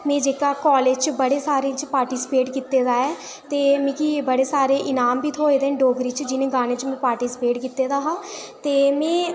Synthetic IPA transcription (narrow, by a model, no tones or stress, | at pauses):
mẽːd͡ʒeːkaːkɔːleːd͡ʒt͡ʃbəɽeːsaːɾẽːt͡ʃpaːɾʈiːsɪ̥peːʈkiːt̪ːeːd̪aːɛː | t̪eːmẽːkibəɽeːsaːɾeːʔɪnaːmbiːt̪ʰoːeːd̪eːɖoːɡɾiːt͡ʃd͡ʒɪnẽːɡaːneːt͡ʃmɛ̃ːpaːɾʈiːsɪ̥peːʈkiːt̪ːeːd̪aːɦãːt̪eːmɛ̃ː